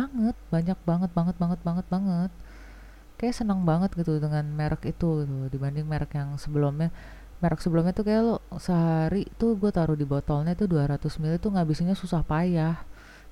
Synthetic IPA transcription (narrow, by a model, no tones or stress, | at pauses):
baŋət̪̚baɲak̚baŋət̪̚baŋət̪̚baŋət̪̚baŋət̪̚baŋət̪̚ | kajaʔsənəŋbaŋət̪̚ɡit̪udəŋanmeɾʔəkit̪uɡit̪udibandɪŋmeɾəkjaŋsəbəlʊmɲa | meɾəksəbəlʊmɲat̪ukajalɔsəɦaɾit̪uɡuat̪aɾʊhdibot̪ɔlɲait̪uduaɾat̪ʊsmilit̪ːuŋaʔbisiɲasusahpajah